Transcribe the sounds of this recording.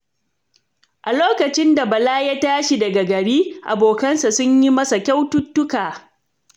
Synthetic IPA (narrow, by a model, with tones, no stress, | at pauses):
ʔa˨loː˦kɐ˨t͡ʃɪ˦nda˨bɐ˨laː˦ja˦taː˦ʃi˨dɐ˨ɡa˨ɡɐ˨ɽiː˦ʔa˨boː˨kɐ˦nsa˨sʊ˦ɲji˦mɐ˦sa˨kʲa˦wtʊ˦tːʊ˦kaː˨